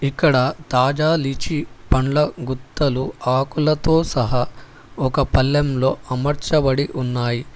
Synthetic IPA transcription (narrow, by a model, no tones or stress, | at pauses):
ikːɐɽɐt̪aːd͡ʒaːlit͡ʃipɐɳlɐɡut̪ːɐluaːkulɐt̪o̞ːsɐɦɐ | ɔkɐpɐlːɐmlo̞ːʔɐmɐɾt͡ʃɐbɐɽiʔunːaːji